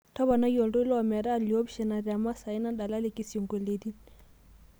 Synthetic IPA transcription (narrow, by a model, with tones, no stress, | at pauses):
tɔ˦βa˨na˦jɔ˨ldɔ˦lɔmɛ˨ɾa˦˨li˨ɔ˦bʃɛ˨na˨rja˨ma˦sa˨i˦na˦da˨la˦lɛ˨ki˨sjo˨ŋɡo˨le˨di˦n